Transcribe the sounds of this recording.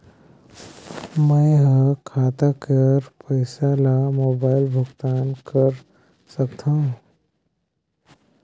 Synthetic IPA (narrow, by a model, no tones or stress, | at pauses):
mə̃jɦə̃kʰaːt̪akəɾpəɪsalamoːbaːɪlbʱʊɡt̪aːnkəɾ | səkt̪ʰãũ